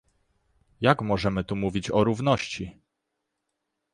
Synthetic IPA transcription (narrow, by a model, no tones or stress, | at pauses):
jakmɔʐɛmɘt̪umuvʲit͡ɕɔɾuvn̪ɔɕt͡ɕi